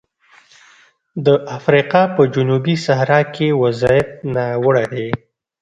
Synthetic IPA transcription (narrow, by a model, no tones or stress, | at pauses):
d̪əʔafɾiqɑpəd͡ʒʊnubisahɾɑkʰewazɑɪf̚nawəɽaɾe